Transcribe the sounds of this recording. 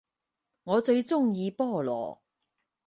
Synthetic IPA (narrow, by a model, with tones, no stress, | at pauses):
ŋɔː˨˧t͡ʃɵ˧ɥt͡sʊ˥ŋjiː˨˧pɔː˥˩lɔ̰ː˨˩